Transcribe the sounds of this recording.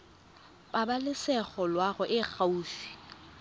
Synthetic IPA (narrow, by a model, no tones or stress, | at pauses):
pʼabalɪsɛχɔlwaɣʊʔɪχauːfi̥